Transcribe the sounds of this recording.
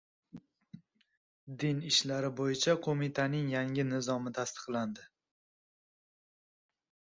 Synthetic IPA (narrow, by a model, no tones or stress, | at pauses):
d̪ɪnɪʃlaɾɪbojɪt͡ʃʰaqʰomit̪ʰanɪŋjaŋʲɪnɪzɒmɪt̪ʰast̪ʰɨ̥qlˠand̪ɪ